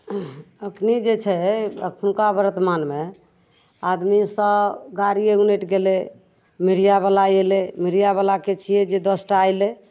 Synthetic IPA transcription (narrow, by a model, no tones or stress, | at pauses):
əkʰnid͡ʒet͡ʃʰɛə̰kʰənkabəɾət̪manme | ad̪misəbɡaɾieuneʈɡele | miɾijabalajelemiɾijaβalaket͡ʃʰiɛd͡ʒed̪əsʈaajle